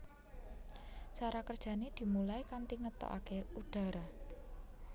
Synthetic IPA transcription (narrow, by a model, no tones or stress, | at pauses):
t͡ʃaɾakərd̥ʒ̥ä̤ned̪̥i̤mulaikant̪iŋət̪ɔ̰ʔa̰keuɖ̥a̤ɾa